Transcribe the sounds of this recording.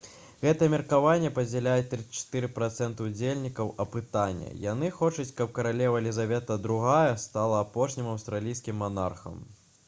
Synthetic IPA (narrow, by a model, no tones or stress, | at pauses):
ɣɛt̪ɐjɛmʲirkavanʲːɛpɐd͡zʲɛlʲajɛt̪ɾɨt͡ʃɐ̥t̪ɨɾɨpɾat̪sɛnt̪ɨud͡zʲelʲnʲikɐwʔɐpɨt̪anʲːɐ̰ja̰nɨxɔt͡ʂɐt͡sʲkɐp̚kɐɾalʲɛvɐlʲizavʲɛt̪ɐd̪ɾuɣajɛst̪alˠɐːpɔʂnʲimɐwst̪ɾalʲijskʲimːana̰rxɐ̰m